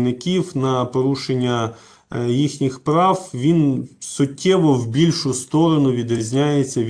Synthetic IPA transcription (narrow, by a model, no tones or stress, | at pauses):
nɪkʲiwnɐpɔɾuʃenʲːɐ | jixnʲixpɾɑwʋʲinsʊtʲʰːɛʋɔwbʲilʲʃʊst̪ɔɾɔnʊʋʲid̪ɾʲizʲnʲajet͡sʲːɐʋʲ